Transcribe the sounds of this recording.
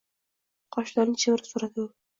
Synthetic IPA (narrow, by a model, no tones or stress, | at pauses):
qʰɒʃlaɾnɪt͡ʃʰemɾɪsuɾad̪ɪ